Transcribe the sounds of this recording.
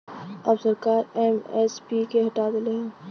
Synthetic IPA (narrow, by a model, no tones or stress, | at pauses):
ɐbsəɾkaːɾɛːmɛspikeɦɐʈaːd̪ɪleɦɛ̃ː